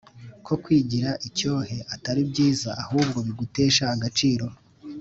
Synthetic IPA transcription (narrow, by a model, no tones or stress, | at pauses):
kʰo̞kwiːɟiɾaʔico̞ːhe̞ʔataɾibɟiːzaʔahuːbɡo̞βiɡute̞ːʃahaɡat͡ʃiːɾo̞